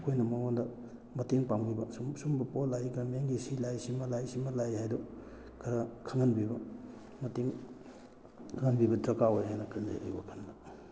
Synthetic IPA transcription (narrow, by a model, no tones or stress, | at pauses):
kʰojnɐmɐŋondɐ | mɐteŋpaŋbibɐssumbɐpolajkʰɾɐmeŋɡisilajsimɐlajsimɐlajhajdɔ | kʰɐɾɐkʰɐŋɐnbibɐ | mɐteŋ | kʰaŋanbibɐdɾɐkawojɦajnɐkɯnza̰jʔa̰jbɐ̰kʰɐndɐ